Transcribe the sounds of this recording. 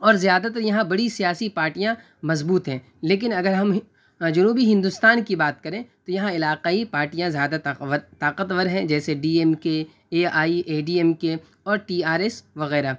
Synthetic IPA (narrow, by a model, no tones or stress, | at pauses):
ɔːɾzijaːd̪at̪ɐɾjɐɦãbɐɽisijaːsipaːɾʈijã | mɐzbuːt̪ɦɛ̃ː | leːk̬ɪnɐɡəɾɦɐm | d͡ʒɐnuːbiɦɪ̃nd̪ʊst̪aːnkibaːt̪̚kɐɾẽt̪ojɐɦãɪlaːqaːipaːɾʈijãzjaːd̪aʋəɾt̪aːqət̪ʋəɾɦɛ̃d͡ʒɛːseɖiːɛmke | eːaːiʔeːɖiːɛmke | ɔːɾʈiːaːɾesʋɐɣɛːɾa